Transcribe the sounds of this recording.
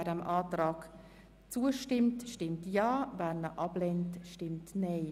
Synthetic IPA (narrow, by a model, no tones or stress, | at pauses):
ɾəmʔɑːtɾɑːk | t͡suəʃtɪmtʃtɪmtjɑːvæːɾnəʔɑblɛntʃtɪmtnɛɪ